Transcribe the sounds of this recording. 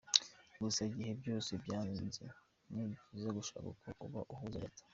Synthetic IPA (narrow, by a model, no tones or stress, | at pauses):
ɡusaɡihe̞bɟoːsebjaːnnzḛ | niβifuzeɡuʃa̰kṵkʰoʔuβa̰ʔuhuzaɾḛtḁ